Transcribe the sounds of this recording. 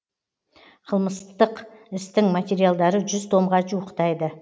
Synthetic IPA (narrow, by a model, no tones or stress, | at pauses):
qʰəlˠməst̪əqɪst̪ɪŋmat̪ʲe̞ɾijalˠd̪ɑɾəʒʏzt̪ʰo̞mʁɑʒuəqt̪ɑjd̪ə